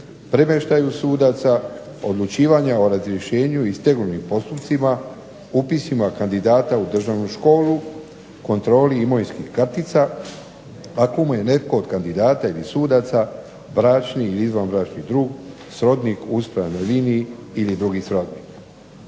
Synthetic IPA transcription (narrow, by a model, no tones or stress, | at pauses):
pɾemeʃt̪ajusuːd̪at̪sa | o̞d̪lˠut͡ʃiːʋaɲaoɾazɾjeʃe̞ːɲuist̪e̞ɡnunimpo̞st̪upt̪sima | upisimakand̪id̪aːt̪aud̪r̩ʒaːʋnuʃko̞ːlu | ko̞nt̪ɾo̞ːliːmojnskihkrɾt̪it̪sa | akomuje̞ne̞t̪ko̞ːd̪kand̪id̪aːt̪ailisuːd̪at̪sa | bɾaːt͡ʃniːliizʋanbɾaːt͡ʃnid̪ɾuːɡ | sɾo̞d̪nikuspɾaanojliːniiilid̪ɾuɡisɾo̞d̪niːk